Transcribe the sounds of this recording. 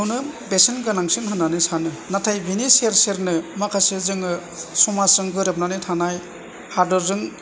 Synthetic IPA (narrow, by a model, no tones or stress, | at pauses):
wnɯbesenɡɯnaŋsɯnɦanːanɯsanɯnatʰajbʱiniseɾseɾnɯmakʰasɯzɯŋɯsɔmasɯŋɡɯɾap̚nanɯtʰanaj | haɾdɯɾzɯŋ